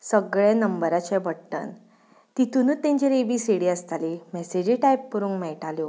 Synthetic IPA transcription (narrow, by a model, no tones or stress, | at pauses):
səɡɭɛnəmbəɾat͡ɕɛbəɽʈə̰n | t̪it̪unuːt̪ːɛ̃ɲt͡ɕiɾebiːseɽiəst̪alimɛsed͡ʑiʈajpːuɾuːŋkmɛɭʈaljo